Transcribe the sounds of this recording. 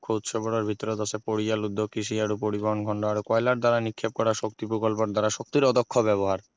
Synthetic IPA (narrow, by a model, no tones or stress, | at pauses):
kʰot̪ʃʰɔboɽoɾbʱit̪ɔɾod̪ɔsepoɾialud̪ʱːokːiʃ̬iaɾupoɾiboɦonɡʱɔɳɖoaɾkɔelaɾd̪aɾanikʰːeb̚kɔɾaʃok̚t̪ipɾokolp̬oɾd̪aɾaʃok̚t̪iɾɔd̪okʰːobɛβoɦaɾ